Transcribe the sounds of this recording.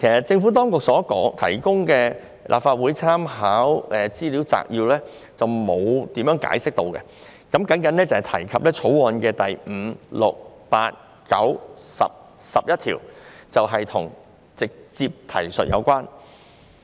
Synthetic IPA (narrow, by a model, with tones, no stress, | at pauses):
kʰe˨˩sɐ˨t̚t͡sɪ˧ŋfuː˨˥t̪̬ɔː˥ŋkʊ˨k̚sɔː˨˥kɔː˨˥ŋt̪ʰɐ˨˩jkʊ˥ŋkɛː˧ | lʔa̰ː˨p̚faː˧t̚wuː˨˥jt͡sʰaː˥mɦaː˨˥wɛː˨t͡siː˥liː˨˥wt͡sa̰ː˧k̚jiː˧wlɛː˥ | t͡sɐ˨wmo˨˧wt̪iː˨˥mjœː˨˥ŋka̰ː˨˥jsɪ˥k̚t̪o˧wkɛ̰˧ | kɐ˨˥mkɐ˨˥nkɐ˨˥nlɛː˥t͡sɐ˨hɐ˨˩t̪ʰɐ˨˩jkʰɐ˨p̚lɛː˥t͡ʃʰo˨˥wɔː˧nkɛː˧t̪ɐ˨˩jm̩ː˨˧lʊ˨k̚pa̰ː˧t̚ | kɐ̰˨˥wsɐ̰˨p̚ | sɐ˨p̚jɐ˥t̚t̪ʰḭː˨˩wt͡sɐ˨wɦɐ˨jt̪ʰʊ̰˨˩ŋ | t͡sɪ˨k̚t͡siː˧p̚t̪ʰɐ̰˨˩jsɵ̰˨t̚jʔɐ̰˨˧wkʷwaː˥n